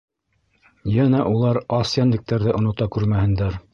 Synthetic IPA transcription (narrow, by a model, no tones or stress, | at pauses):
jænæʔulˠɑɾɑsjɑnlɘ̆k̚t̪æɾðɘʔŏnŏt̪ɑkʉɾmæhɘ̆nd̪æɾ